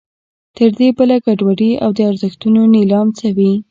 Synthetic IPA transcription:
t̪əɾd̪ebəlaɡaɖwaɽia̰wd̪əaɾzəxt̪unonilɑmt͡sawi

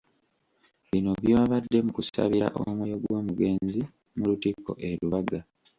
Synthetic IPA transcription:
βino̞βjoβadːe̞mukusa̰βiɾa̰ʔo̰mwejo̞ɡwoːmuɡe̞ːnzi | mulutikːo̰ʔeɾuβaɡa

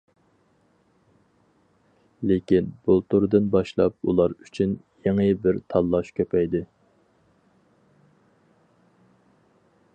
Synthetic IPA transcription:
lekʲinb̥ulˠt̪ʰuɾɨd̪ɨnbɑʃlˠɑ̰p̚ṵlˠɑɾyt͡ʃʰyn | jeŋɨbɪɾt̪ʰɑlˠːɑʃkʲʰøpʰɛjd̪ɪ

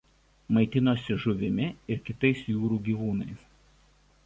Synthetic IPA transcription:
mɐɪt̪ʲɪnoːsʲɪʒʊʋʲɪmʲɪɪɾkʲɪt̪ɐɪsjuːɾuːɡʲiːʋuːnɐɪs

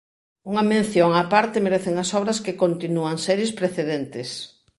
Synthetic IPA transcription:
uŋɐmẽn̟θjoŋapaɾt̪ɪmeɾɛθeŋɐsɔβ̞ɾɐskekont̪inuaŋsɛɾjespɾeθeðent̪ɪs

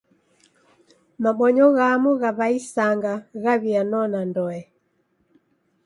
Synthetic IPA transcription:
maɓɔɲɔɣamuɣaβaisaŋɡaɣaβianɔnandɔɛ

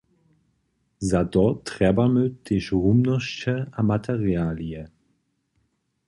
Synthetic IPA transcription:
zadɔtːʁ̥ɛbɐmød̥ɪʃʁumnəʃtəamatʰɛʁjaːliə

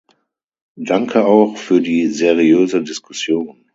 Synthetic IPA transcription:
d̥aŋkʰəaʊxfyːɐdiːzeʁiøːzədɪskʰʊsjoːn

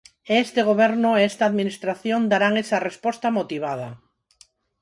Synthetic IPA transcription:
eest̪eɣ̞oβ̞eɾnoeest̪aːðminist̪ɾaθjond̪aɾaŋesarespost̪amot̪iβ̞að̞a

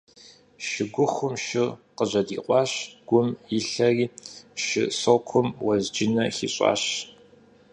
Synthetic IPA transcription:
ʃɪɡʷʊχʷʊmʃɪqəʑɐdiːqʷʼɑːɕɡ̥ʷʊmjɪɬɐriːʃɪ̰sokʷʰʊmwɐzd͡ʒɪnɐxḭːɕʼɑ̰ːɕ

